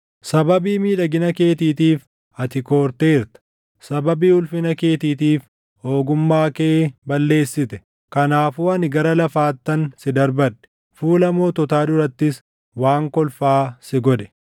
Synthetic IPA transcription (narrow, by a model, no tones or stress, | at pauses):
sɐbɐbiːmiːᶑɐɡɪnɐke̞ːt̪iːt̪iːf | ɐt̪ɪko̞ːɾt̪eːɪɾt̪ɐ̥ | sɐbɐbiːʊlfɪnɐke̞ːt̪iːt̪iːf | ho̞ːɡʊmːaːkeːbɐlːe̞ːsːɪt̪ɛ̥ | kɐnaːfuːɐnɪɡɐɾɐlɐfaːt̪ːɐnsɪd̪ɐɾbɐᶑːɛ̥ | fuːlɐmo̞ːt̪ɔt̪aːd̪ʊɾɐt̪ːɪs | waːŋkɔlfaːsɪɡɔᶑɛ̥